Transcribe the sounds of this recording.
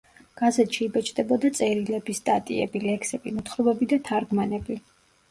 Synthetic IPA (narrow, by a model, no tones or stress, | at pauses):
ɡ̥azɛt̪ʃiːbɛt͡ʃʰd̪ɛbɔd̪at̪sʼɛɾilɛbist̪ʼat̪ʼḭɛ̰bilɛkʰsɛbimut̪ʰχɾɔbɛbid̪at̪ʰaɾɡmanɛbi